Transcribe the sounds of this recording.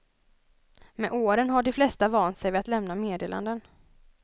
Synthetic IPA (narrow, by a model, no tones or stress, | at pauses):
mɛʔoːɾənɦaɖɪflɛst̪avɑːnt̪sɛjvɪat̪lɛmnameːd̪eːla̰nd̪ən